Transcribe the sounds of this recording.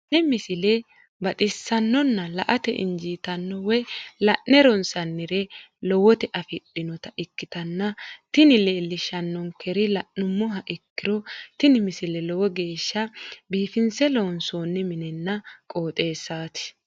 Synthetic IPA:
nɛmɪsɪlɛ | bɐt̪ʼɪsːɐnːɔnːɐlɐʔɐt̪ɛ̰ʔɪ̰ɲd͡ʒiːt̪ɐnːɔwɛlɐʔːɛɾɔnsɐnːɪɾɛlɔwɔt̪ɛʔɐfɪɗɪnɔt̪ɐʔɪkːɪt̪ɐnːɐt̪ɪnɪle̞ːlːɪʃɐnːɔŋkʰɛɾɪlɐʔːʊmːɔɦɐʔɪkːɪɾɔt̪ɪnɪmɪsɪlɛlɔwɔɡe̞ːʃːɐbiːfɪnsɛlɔwɔnsoːnːɛmɪnɛnːɐkʼo̞ːt̪ʼe̞ːsːaːt̪ɪ̥

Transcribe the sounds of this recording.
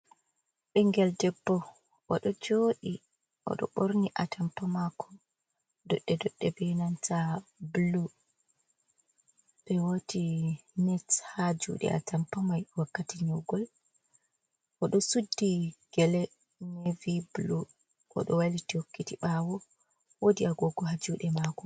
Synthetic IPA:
ɓɛŋɡɛldɛbːɔ | ʔɔ̰ɗɔd͡ʒoːɗi | ʔɔ̰ɗɔ̰ɓoɾniʔatampamakʰɔ | dɔɗːɛdɔɗːɛbɛnantablu | ɓɛwotʰinɛthad͡ʒṵɗɛ̰a̰tampamajwakːatiɲɔɡɔl | ʔɔɗɔsudːiɡ̥ɛlɛ | neviblu | ʔɔ̰ɗɔwalitihokːitiɓawɔ | wodiaɡɔɡɔɦad͡ʒuɗɛmakɔ

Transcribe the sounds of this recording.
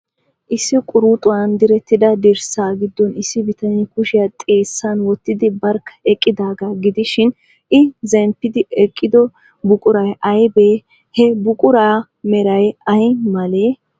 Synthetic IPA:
ʔɪsːɪkʼʊɾut̪ʼʊwɐnd̪ɪɾɛt̪ːɪd̪ɐd̪ɪɾsaːɡɪd̪ːɔnɪsːɪbɪt̪ɐnikʊʃɪjat̪ʼe̞ːsːanwɔt̪ːɪd̪ɪbɐɾkːɐ̥ɛkʼːɪd̪aːɡaɡɪd̪ɪʃɪn | ɪzɛmpːɪd̪ɪɛkʼːɪd̪ɔ | bʊkʼʊɾɐjʔɐjbeː | hɛbʊkʼʊɾaː | mɛɾɐjɐjmɐleː

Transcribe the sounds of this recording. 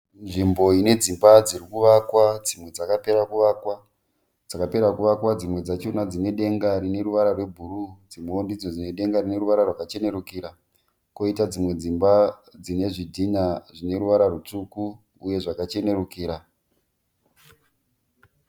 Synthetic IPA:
nʐimbo̞ine̞d͡zimbad͡zirikuʋakwad͡zimwe̞d͡zakape̞ɾakuʋakwa | d͡zakape̞ɾakuʋakwad͡zimwe̞d͡zat͡ʃonad͡zine̞ɗe̞ŋɡarine̞ɾuʋaɾarwe̞bʱurud͡zimoondid͡zo̞d͡zine̞ɗe̞ŋɡarine̞ruʋaɾarwakat͡ʃe̞ne̞ɾukiɾa | ko̞itad͡zimwe̞d͡zimbad͡zine̞ʐidʱiɲaʐine̞ɾuʋaɾarut͡sukuː | je̞ʐakat͡ʃe̞ne̞rukiːɾa

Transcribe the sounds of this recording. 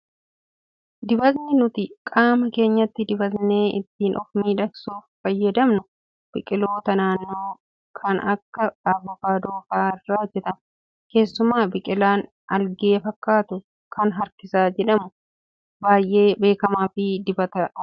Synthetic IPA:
d̪ɪbɐt̪nɪnʊt̪ɪkʼaːmɐke̞ːɲːɐt̪ːɪd̪ɪbɐt̪ne̞ːʔɪ̰t̪ːiːnʔɔfmiːᶑɐksuːfːɐjːɐd̪ɐmnʊ | b̥ɪkʼɪlo̞ːt̪ɐnaːnːoː | kʰɐnɐkːɐɐbɔkaːd̪oːfaːɪrːaːd͡ʒɛt̪ɐm | ke̞ːsːʊmaːbɪkʼɪlaːn | ɐlɡe̞ːfɐkːaːt̪ʊ | kʰɐnɦɐɾkɪsaːd͡ʒɛᶑɐmʊ | baːjʔe̞ːbe̞ːkɐmaːfɪd̪ɪbɐt̪ɐ

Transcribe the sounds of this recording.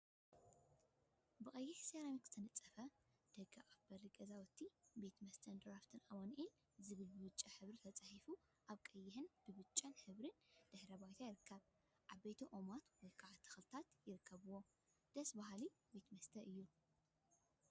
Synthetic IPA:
bɨkʼɐjːɪħsaɾamikz̥ɨt̪ʰɐnɨt͡sʼːɐfɐ | d̪̥ɐɡaʔafb̥ɐɾiɡʼɐzawɔt̪ʰːibe̞t̪mɐst̪ʰɐnd̪ɨɾaft̪ʰɨnʔawonʔil | zɨβɨlbɨβɨt͡ʃʼːɐħɨβɾit̪ʰɐt͡sʼaħifu | ʔaβkʼɐjːɪħɨnbɨβɨt͡ʃʼːɐnħɨβɾɨnd̪̥ɨħɾɐbajt̪ʰajɪɾɨkʰːɐβ | ʔaβbet̪ʰɐʔomat̪wɔjkʰaʕt̪ʰːɐ̥xɨlt̪ʰat̪jɪɾɨkʰːɐβɨwo | d̪̥ɐsbaɦalibe̞t̪mɐst̪ʰɐʔɨjːu

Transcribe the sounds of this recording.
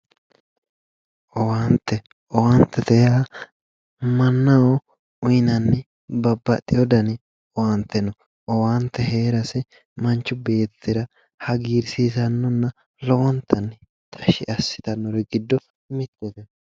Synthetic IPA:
ʔɔwant̪ːɛ | ʔɔwɐnt̪ːɛt̪ɛja | mɐnːɐwɔ | ʊjnɐnːɛ | bɐbːɐt̪ʼːɪjɔd̪ɐnɪ | ɔwɐnt̪ʰːɛnɔ | ɔwant̪ːɛheːɾɐsɛ | mɐnt͡ʃːʊbe̞ːtt̪ːɪɾɐ | hɐɡiːɾsiːzɐnːɔnːɐ | lɔwɔnt̪ʰːɐnː | t̪ʰʼɐʃɪʔɐsːɪ̥t̪ɐnːɔɾɛɡɪd̪ːɔ | mɪt̪ːɛt̪ɛn

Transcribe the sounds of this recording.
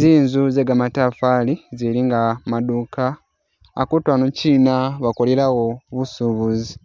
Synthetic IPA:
ziːnzuzeɡamatafaliziliŋɡamadukaː | kutwanuciːnaβakoleɾawoβusuβuzi

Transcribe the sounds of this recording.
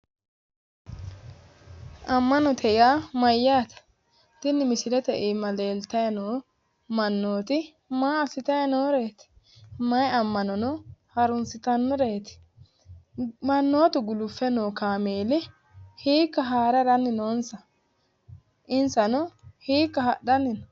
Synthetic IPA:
ʔɐmːɐnɔt̪ʰɛʔɪjaːmɐjːaːt̪ɐ̥ | t̪ɪnːɪmɪsɪɾɛt̪ɛʔimɐleːlt̪ɐjɐnoː | mɐnːoːt̪ɪ | maːɐsɪt̪ɐjɐnoːɾe̞ːt̪ɪ̥ | mɐjɐmːɐnɔnɔhɐɾʊnsɪt̪ɐnːɔɾeːt̪ɪ̥ | mɐnːoːt̪ɪɡʊlʊfːɛnoːkaːmeːlɪ | hiːkːɐɦaːɾɐɾɐnːɪnoːnsɐ | ʔɪnsɐnɔhiːkːɐɦɐ̰ɗɐnːɪnɔ

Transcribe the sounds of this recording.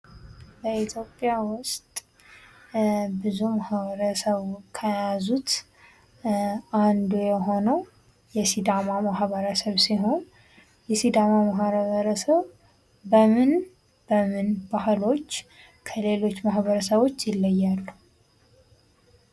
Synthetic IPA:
bəit̪ʰjo̞pʼjawʊst̪ʼ | bɨzumahβəɾəsəβkʰəjazut̪ | and̪ujɛɦo̞nəw | jɛsid̪amamahβəɾəsəβsiɦo̞n | jɛsid̪amamaɦɾβəɾəsəβ | bəmɨn | b̥əmɨnbahlo̞t͡ʃː | kʰəle̞lo̞t͡ʃːmahβəɾəsəβo̞t͡ʃːjɪlːəjːalːu

